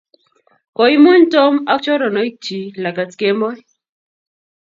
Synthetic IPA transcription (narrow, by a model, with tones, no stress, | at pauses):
kɔ˨i˦mo˦ɲto˦ma˦t͡ʃɔ˦ɾɔ˨nɔ˨˦i˦t͡ʃi˨la˨ka˨tke˦mɔ˦j